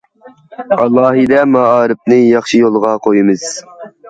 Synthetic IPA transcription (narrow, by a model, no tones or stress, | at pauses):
ɑlˠːɑːɦid̪ɛmɑɑːɾɨp̚nɨjɑχʃijolˠʁɑqʰojimɨz̥